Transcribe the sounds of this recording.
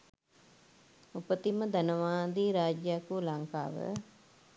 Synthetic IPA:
upət̪iməd̪ɐnɐʋaːd̪iːɾaːd͡ʒjaːkulɐŋkaːʋə̰

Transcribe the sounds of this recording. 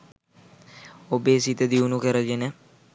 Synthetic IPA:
obeːsit̪əd̪iunukəɾəɡenə

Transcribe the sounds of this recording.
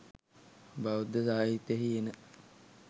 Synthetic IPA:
baʋud̪əsaːɦit̪jeɦienə

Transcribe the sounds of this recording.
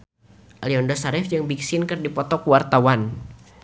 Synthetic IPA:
ʔaliɔndɔsaɾɪfd͡ʒɨŋbiksɪnkɨrdipɔt̪ɔkuwart̪awan

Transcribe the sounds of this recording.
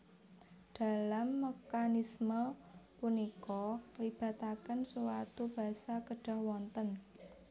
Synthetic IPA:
d̥a̤lamːekanisməpunikɔlib̥a̤t̪akənsuwat̪ub̥a̤sakəɖ̥a̤hwɔnt̪ən

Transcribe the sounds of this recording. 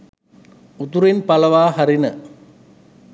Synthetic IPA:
ut̪uɾinpɐlɐʋaːɦɐɾinə

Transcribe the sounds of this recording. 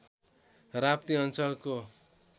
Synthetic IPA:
rap̚t̪iʌnt͡sʌlko

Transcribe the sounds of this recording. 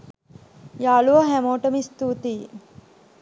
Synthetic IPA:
jaːluʋɐɦæmoːʈəmist̪uːt̪iː

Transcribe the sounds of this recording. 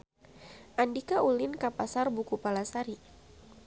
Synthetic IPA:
ʔandikaʔulɪnkapasarbukupalasaɾi

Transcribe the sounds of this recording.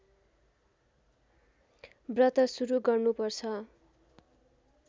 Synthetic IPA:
brʌt̪ʌsuɾuɡʌrnupʌrt͡sʰʌ

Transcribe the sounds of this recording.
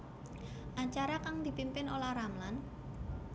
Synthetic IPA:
ʔaɲt͡ʃaɾakaŋd̪̥i̤pimpɪnolahɾamlan

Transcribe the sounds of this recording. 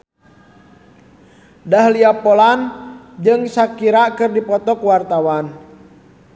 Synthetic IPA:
dahliapɔlan | d͡ʒɨŋsakiɾakɨrdipɔt̪ɔkuwart̪awan

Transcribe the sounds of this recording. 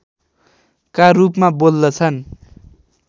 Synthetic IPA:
karupmabold̪ʌt͡sʰʌn

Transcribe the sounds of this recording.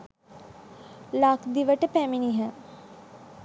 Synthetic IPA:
lakd̪iʋəʈəpæminiɦə

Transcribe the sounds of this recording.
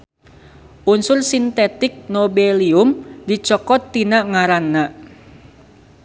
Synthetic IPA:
ʔunsʊrsint̪et̪ɪk̚nobeliʊmdit͡ʃɔkɔt̪ːinaʔŋaɾanːa

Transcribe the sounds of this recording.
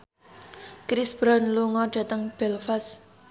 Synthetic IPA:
kɾɪsb̥ɾɔnluŋɔɖ̥ä̤t̪əŋb̥ɛlfas

